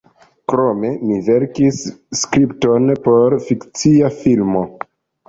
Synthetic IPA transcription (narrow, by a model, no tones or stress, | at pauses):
kɾo̞me̞mive̞ɾkisːkɾipto̞npo̞ɾfikt͡siafilmo̞